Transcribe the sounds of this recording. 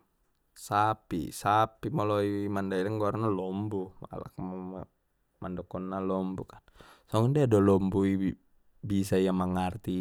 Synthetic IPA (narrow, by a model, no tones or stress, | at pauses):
sapḭsapimɔlɔimandailaŋɡɔarnalɔmbuma̰la̰km | mandɔkɔnːalɔmbukḁnsaŋɔŋdiadɔlɔmbui | bis̬aijamaŋart̪i